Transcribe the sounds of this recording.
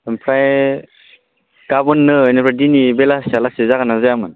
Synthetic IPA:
ɯmpʰɾaj | ɡabɔnːɯɯjnipʰɾajdinibelasalasezaɡanazajamɯn

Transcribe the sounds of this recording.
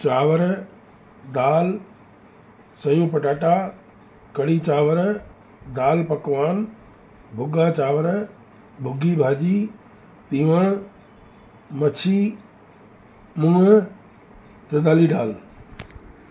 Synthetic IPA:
t͡ɕaːʋəɾ | d̪aːl | sɐjũːpɐʈaːʈa | kɐɽit͡ɕaːʋəɾ | d̪aːlpɐkʋaːn | bʱʊɡat͡ɕaːʋəɾ | bʱʊɡibʱaːd͡ʑiː | t̪iːʋəɽ̃ | mɐt͡ɕʰi | mũːə | t̪ɐd̪aːliɖaːl

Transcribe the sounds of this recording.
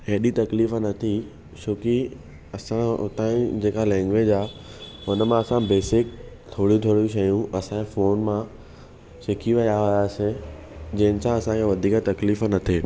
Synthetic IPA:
ɦeɦɗit̪ɐkliːfnɐt̪ʰi | ʃoːki | ɐsã̰t̪ãːĩd͡ʑeːkalɛ̃ːŋɡʋeːd͡ʑaːɦʊnəmãɐsãbeːsɪk̚t̪ʰoːɽjũt̪ʰoːɽijũʃɐjũɐsãfoːnmã | ʃekʰiʋɐjaɦaaːsẽ | d͡ʑɐ̃ɦɪ̃nɪ̆sãɐsãkʰeʋɐd̪ʱiːkt̪ɐkliːfnɐt̪ʰeː

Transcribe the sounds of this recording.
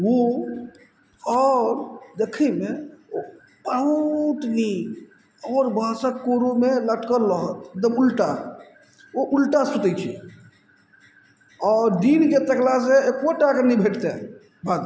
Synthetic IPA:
wo | ɔɾd̪ekʰɛmeo | pauʈni | ɔːɾbʱasəkkoɾomeləʈkəɾːəɦət̪eɡ̚d̪əmulʈa | oʔulʈasut̪ɛt͡ʃʰi | ɔːɾɖ̪inket̪əklas̬eekoʈakenibʱeʈt̪e | bʱad̪

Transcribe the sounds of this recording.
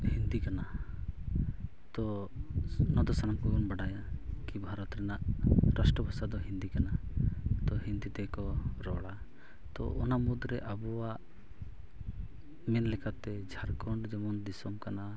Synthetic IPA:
hind̪ikana | t̪ɔ | nɔd̪ɔsanamkɔɡɔnbaɽajakibʱaɾɔt̪ɾɛnaʔɾasʈɾɔbʱasad̪ɔɦind̪ikanat̪ɔɦind̪it̪ɛkɔɾɔɽa | t̪ɔ̰ʔɔnamud̪ɾɛʔabɔwa | mɛnlɛkʰat̪ɛd͡ʒʱaɾkɔɳɖd͡ʒɛmɔnd̪isɔmkana

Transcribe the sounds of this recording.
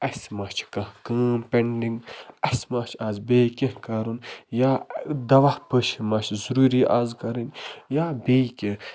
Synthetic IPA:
ɐsmɐt͡ʃʰkɐhkəːmpʲeɳɖiŋɡɐsmat͡ʃʰaːzbeːkʲehkɐɾunjaːd̪ɐʋahpəʃimɐt͡ʃʰzuɾuːɾiːʔaːzkɐɾɐnʲjaːbeːkʲe

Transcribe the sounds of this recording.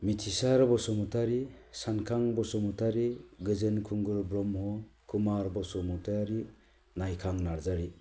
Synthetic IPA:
mitʰisaɾbɔsɔmutʰaɾisankʰaŋbɔsɔmutʰaɾiɡɯzenkʰuŋɡɯɾbɾɔmhɔkʰumaɾbɔsɔmutʰaɾi | najkʰaŋnaɾzaɾi

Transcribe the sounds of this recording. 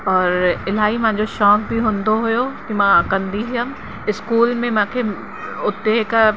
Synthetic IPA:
ɔːɾɪl̤aːimɐ̃ɪ̃ɲ̆d͡ʑoʃɔːk̚bʱiɦʊ̃ːnd̪oɦʊjokimãkɐ̃nd̪iɦijən | ɪskuːlmẽmãːkʰe | ʊt̪ːeɦk

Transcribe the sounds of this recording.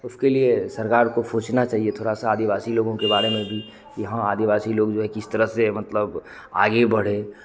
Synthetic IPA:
ʊskeliesɐɾkaːɾkopʰoːt͡ʃnat͡ʃaːɦiet̪ʰoːɽasaːd̪iʋaːsiloːɡõkebaːɾemẽbʱi | kijɐɦãaːd̪iʋaːsiloːɡd͡ʒoːɦɛkɪst̪əɾəɦsemɐt̪ləb | a̰ːɡebɐɽ̤e

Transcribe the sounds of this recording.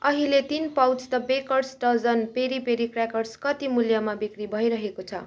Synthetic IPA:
ʌɦilet̪inpawt͡st̪ʌbekʌrsʈʌd͡zʌnpeɾipeɾikrakʌrskʌt̪imuljʌmabikribʱʌjɾʌɦekot͡sʰʌ̰

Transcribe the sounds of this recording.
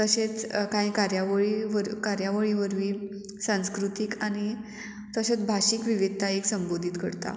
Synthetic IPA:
t̪əɕet͡skaɦĩkaɾjaʋəɭiʋəɾkaɾjaʋəɭiʋəɾʋiː | sãñskɾut̪ikañi | t̪əɕat͡sbʱaɕiːkʋiʋid̪̚ʱt̪aeksəmbod̪ʱiːt̪kəɽt̪a̰

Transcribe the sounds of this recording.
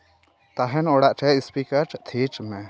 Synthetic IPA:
t̪aɦɛnɔɽaʔʈʰɛispikəɾʈt̪ʰit͡ʃmɛ

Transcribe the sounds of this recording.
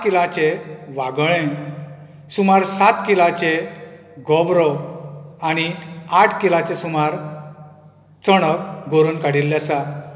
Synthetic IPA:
kilãt͡ɕeʋaɡɭẽ | sumaɾsat̪kilat͡ɕe | ɡɔbɾɔwañiaʈʰkilat͡ɕesumaɾ | t͡səɽ̃əkɡʱoɾuːnkaɽilːjasa

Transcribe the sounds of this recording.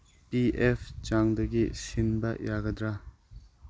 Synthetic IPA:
piepʰt͡ʃaŋdɐɡisinbɐjaɡɐdɾa

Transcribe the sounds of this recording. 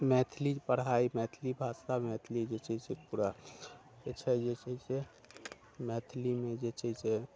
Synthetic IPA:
mɛt̪ʰlid͡ʒpəɽɦaimɛt̪ʰlibʱasamɛt̪ʰlid͡ʒet͡ʃɛsepuɾa | et͡ʃʰɛd͡ʒet͡ʃɛse | mɛt̪ʰlimed͡ʒet͡ʃʰɛse

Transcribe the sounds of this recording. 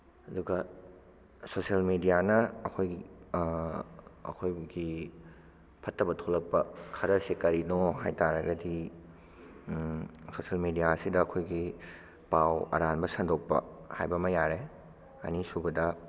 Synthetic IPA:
ɐduɡɐ | sosɐlmedijanɐːkʰoj | ɐ̰kʰojbɡi | pʰɐtːɐbɐtʰolɐk̚pɐkʰɐɾɐsekɐɾinoɦajtaɾɐɡɐdi | sosɐlmedijaɐsidɐːkʰojɡi | pawɐ̰ɾanbɐsɐndok̚pɐ̰ha̰jbɐmɐjaɾe | ɐ̰nisubɐdɐ

